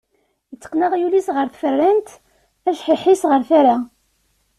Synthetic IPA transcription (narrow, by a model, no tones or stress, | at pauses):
jət͡sːə̥qːnəʁjulisʁəɾθfərːænt̪ | æʃħiħisʁəɾθaɾa